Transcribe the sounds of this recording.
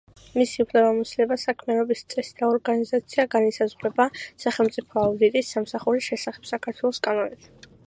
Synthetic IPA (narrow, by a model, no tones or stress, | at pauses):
misiupʰlɛbamɔsilɛbasakʰmianɔbist̪sʼɛsd̪aɔɾɡanizat̪sʰiaɡanisazʁɾɛbasaχɛlˠmt̪sʼipʰɔaud̪it̪ʼisːamsaχuɾiʃɛsaχɛ̥b̥sakʰaɾt̪ʰwɛlˠɔskʼanɔnɛp